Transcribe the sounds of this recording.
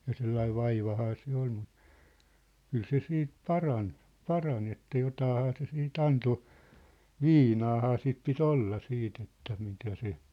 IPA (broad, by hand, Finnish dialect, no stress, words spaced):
jɑ selːɑiʋ̆ ʋɑiʋɑhɑː se ol mu kyl se siːt pɑrɑn pɑrɑn etːæ jotɑːhɑː se siːt ɑnto ʋiːnɑːhɑː sit pit olːɑ siːt etːæ mitæ se